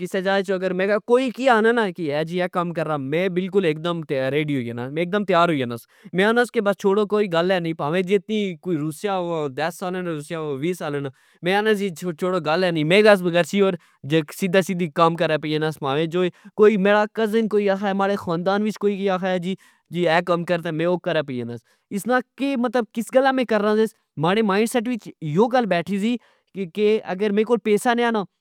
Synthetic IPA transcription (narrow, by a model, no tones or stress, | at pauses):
d͡ʒɪseːd͡ʒaːet͡ʃoəɡəɾmẽːɡaːkoːiːkiaːnaːnaːkiɛːd͡ʒiːɛːkəmkəɾːaːmɛ̃ːbɪlk̬ʊlek̚d̪əmt̪ɾeːɖiːɦoiːeːnaːmɛ̃ːk̚d̪əmt̪ɪjaːɾɦoːiːeːnaːs | mẽːaːnãːskeːbast͡ʃʰoːɽõːkoːiːɡəlɛːnəĩːpaːʋẽːd͡ʒɪt̪niːkoiːɾʊsjaːãːd̪əsːaːleːnaːɾʊsjaːʋiːsaːlẽːnaː | mẽːaːnãːd͡ʒiːt͡ʃʰoːɽoːɡəlɛːnĩːmeːɡaːs̬bəɡəɾsiːoːɾ | d͡ʒesɪd̪aːsid̪iːkəmkəɾaːpiːeːnasmaːʋẽːd͡ʒoːkoːiːmeːɽaːkəzənkoːiːaːkʰaːɛːmaːɽeːxãːnd̪aːnʋɪt͡ʃkoːiːkiːaːkʰaːɛːd͡ʒiː | d͡ʒiːɛːkəmkəɾt̪aːmẽːoːkəɾaːpiːeːnaːs | ɪsnãːkeːmət̪ləb̚kɪsɡəlːãːmẽːkəɾːãːzes | maːɽeːmaːɪɳɖsɛːʈ̬ʋɪt͡ʃjoːɡəlːbɛːʈʰiːsiː | keə̰ɡəɾmẽːkoːlpeːsaːnẽːaːnaː